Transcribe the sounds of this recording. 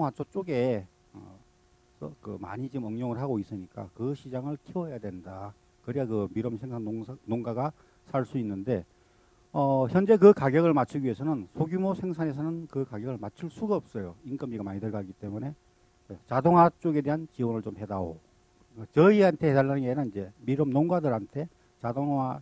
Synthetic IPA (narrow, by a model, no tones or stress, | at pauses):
ŋwat͡ɕ͈ot͡ɕ͈oɡe̞ | ʌ̰ | sʌkɯ̰ma̰ɲid͡ʑiɯmʌŋɲoŋɯɭɦaɡois͈ɯɲik͈a̰kɯɕʰid͡ʑaŋɯɭtʰewʌjadwe̞nda | kɯɾiakɯmiɾʌmsʰe̞ŋsʰannoŋɡaɡa | sʰaɭs͈uinːɯnde̞ | ʌçjʌnd͡ʑe̞kɯkaɡjʌɡɯɭmat͡ɕʰɯɡie̞sʰʌnɯnsʰoɡjumosʰe̞ŋsʰane̞s̬ʰʌnɯnkɯkaɡjʌɡɯɭmat͡ɕʰɯɭs͈uɡaʌp̚s͈ʌjoink͈ʌmd͡ʑiɡamaɲidɯɭɡaɡit͈e̞mune̞ | et͡ɕadoŋɦwat͡ɕ͈oɡe̞de̞ɦant͡ɕiwʌnɯɭt͡ɕomɦe̞daɡo̰ | t͡ɕʌiantʰe̞hedaɭːanɯnɡenanid͡ʑe̞miɾʌmnoŋɡadɯɾantʰe̞ | t͡ɕadoŋa